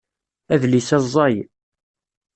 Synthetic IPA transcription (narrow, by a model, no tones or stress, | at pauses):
æðlisæzˤːɑj